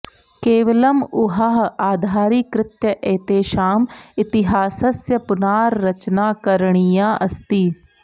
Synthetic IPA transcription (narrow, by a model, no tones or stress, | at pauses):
keːʋɐləmʊɦaɦaːd̪ʱaːɾikɾɪt̪jəʔeːt̪eːʃaːmɪt̪ɪɦaːsɐsjɐpʊnaːɾːɐt͡ʃnaːkɐɾɽ̃ijãːʔɐst̪iː